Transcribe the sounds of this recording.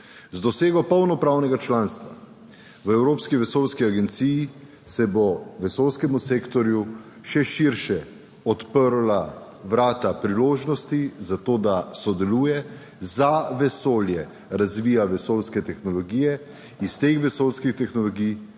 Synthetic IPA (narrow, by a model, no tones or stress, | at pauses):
zd̪ɔseːɡɔpɔwnɔpɾaːwnɛɡat͡ʃlaːnst̪ʋa̰ | ʋəɛwɾoːpskiʋɛsoːlskiaɡɛnt̪siji | sɛbɔʋɛsoːlskɛmuseːkt̪ɔɾju | ʃɛʃiɾʃɛ | ɔt̪pəɾla | ʋɾaːt̪apɾiloːʒnɔst̪izat̪oːd̪asɔd̪ɛluːjɛ | zaʋɛsoːljɛ | ɾazʋiːjaʋɛsoːlskɛt̪ɛxnɔlɔɡijɛ | ist̪eːxʋɛsolskixt̪ɛxnɔlɔɡij